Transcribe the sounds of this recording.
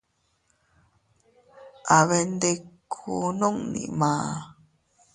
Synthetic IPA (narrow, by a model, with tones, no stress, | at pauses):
ʔa˨βe˨nd̪e˧kʰu˨no˦˨ŋnḭ̃˨mãː˨˦